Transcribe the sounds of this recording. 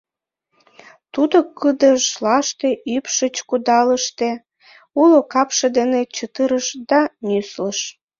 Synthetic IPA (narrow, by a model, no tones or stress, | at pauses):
t̪ud̪okɨd̪əʃlɑʃt̪eʔypʃət͡ɕkud̪ɑləʃt̪e | ulokɑpʃed̪enet͡ɕət̪əɾəʃd̪ɑnysləʃ